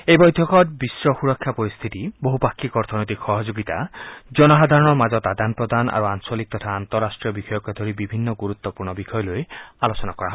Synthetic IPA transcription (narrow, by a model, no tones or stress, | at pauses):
ebɔjd̪ʱjɔkɔtbisɾɔxuɾɔkʰːjapɔɾist̪ʰit̪iboɦupakːikɔɾt̪ʰɔnɔjt̪̬ikxɔɦɔd͡ʒoɡit̪ad͡ʒɔnɔɦad̪ʱaɾɔnɔɾmad͡ʒɔt̪ad̪anpɾɔd̪ʱana̰ɾuansɔlik̚t̪ɔt̪ʰaːnt̪ɔɾːasʈɾiɔbixɔjɔkɔd̪ʱɔɾibibʱinːɔɡuɾut̪ːɔpuɾɳɔbikʰɔjɔloealosɔnakɔɾaɦɔ